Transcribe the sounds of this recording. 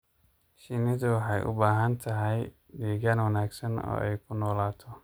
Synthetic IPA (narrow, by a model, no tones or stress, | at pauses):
ʃɪnɪðʊwɑħɑjʔʊ̰baːɦɐnt̪ʰɐɦɛj | ɖiːɣanwɐnaːɡsɐnɔ̰ːʔɛjkʰʊnɔːlaːt̪ʰɔ